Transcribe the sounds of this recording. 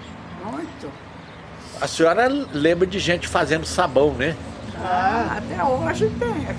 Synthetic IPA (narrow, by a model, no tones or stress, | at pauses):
mot̪ʊ | ɐsĩɔɾɐlẽbɾɐd͡ʒɪʒẽnt͡ʃɪ̥fazẽnd̪ʊsabɐ̃w̃nɛaat̪ɛoɐʒẽt͡ʃt̪ẽ